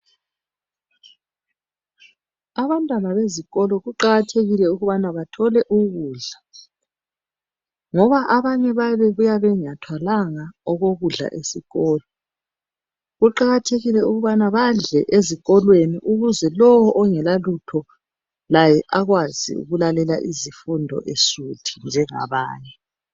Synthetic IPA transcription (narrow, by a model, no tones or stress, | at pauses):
aβantʼamaβeziɣɔlɔɣuǃaɣatʰeɣilɛuɣuβanaβatʰɔlɛʔuɣuːɮa | ŋɔβaʔaβaɲɛβaβɛɣujaβɛɲatʰwalaŋaɔɣoɣuɮa̰ʔesiɣɔːlɔ | ɣuǃaɣatʰeɣilɛuɣuβanaβaɮɛʔeziɣɔlweniʔuɣuzɛlɔwɔʔɔŋɛlalutʰɔ | lajɛʔaɣwazḭṵɣulalɛla̰ʔizifundʱɔ̰ʔeʃutʰi̥nd͡ʒʱɛŋa̰βa̰ːɲɛ